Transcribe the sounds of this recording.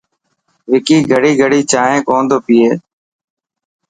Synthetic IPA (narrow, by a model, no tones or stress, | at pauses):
ʋɪkiːɡʱəɽiːɡʱəɽiːt͡ʃaːɦẽːkoːnd̪oːpiːeː